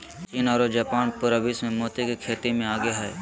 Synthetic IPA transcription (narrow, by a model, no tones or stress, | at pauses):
t͡ʃiːnaːɾod͡ʒaːpaːnpʊɾəbismẽmoːt̪ekekʰeːt̪imẽaːɡeɦae